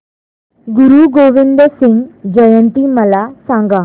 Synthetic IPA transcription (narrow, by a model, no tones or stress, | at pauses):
ɡʊɾuɡoːʋɪ̃nd̪əɾsɪŋɡd͡ʒəjənt̪iməlasãːŋɡa